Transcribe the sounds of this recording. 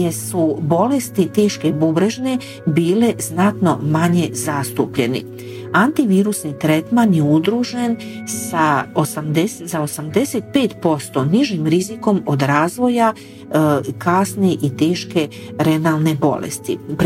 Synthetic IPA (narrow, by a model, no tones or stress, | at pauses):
jesubo̞lest̪it̪e̞ːʃke̞bubɾeʒne̞ | biːle̞znat̪no̞maɲe̞zaːst̪upʎe̞̰nḭ | ant̪iʋiːɾusnit̪ɾet̪manjeud̪ɾuːʒe̞n | saosamd̪eszaosamd̪e̞set̪̚pe̞ːt̪po̞st̪o̞niʒimɾiziko̞mo̞d̪ɾaːzʋo̞ja | kaːsneʔit̪e̞ːʃke̞ | ɾe̞nalne̞bo̞̰lḛst̪ḭp